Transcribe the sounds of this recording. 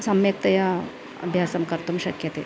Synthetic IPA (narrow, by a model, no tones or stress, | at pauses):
sɐmjɐk̚t̪ɐja | ɐ̰bʱjasɐmkɐɾt̪umɕɐkjɐt̪e